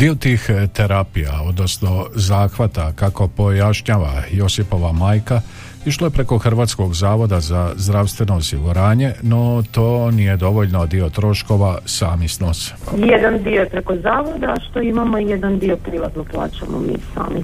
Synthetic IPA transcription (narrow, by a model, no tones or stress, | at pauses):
d̪iot̪iːxt̪e̞ɾapija̰o̞d̪no̞sno̞zaːxʋat̪akako̞po̞jaʃɲaːʋajosipo̞ʋamaːjka | iʃlˠoje̞pɾe̞ko̞xr̩ʋaːt̪sko̞ɡzaːʋo̞d̪azazd̪ɾaʋst̪ʋe̞no̞ːsiɡuɾaːɲe̞no̞t̪o̞ːnije̞d̪o̞ʋo̞ʎnod̪io̞t̪ɾo̞ʃko̞ʋasaːmisnoːsjed̪and̪ioepɾeko̞zaːʋo̞d̪aʃt̪oimamoijed̪and̪iopɾiʋat̪noplˠa̰ːt͡ʃamo̰mḭːsa̰ːmi